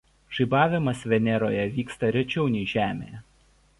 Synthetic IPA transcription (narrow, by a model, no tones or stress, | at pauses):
ʒ̥ɐɪbɑːʋʲɪmɐsʋʲɛnʲɛɾo̰ːjɛʋʲiːkst̪ɐɾʲɛt͡ʃʲɛʊnʲɛɪʒʲæːmʲḛjɛ